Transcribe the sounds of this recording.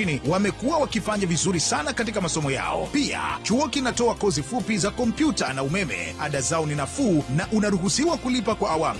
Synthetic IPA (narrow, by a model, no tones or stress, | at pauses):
iniwamɛkuawakifaɲavizuɾisanakat̬ikamasɔmɔja̰ɔ̰pia̰t͡ʃuɔkinatɔakɔzifupizakɔm̩pjutanaumɛmɛ̰aɗazaɔninafuːnaʔunaɾuɦusiwakulipakwaʔːwam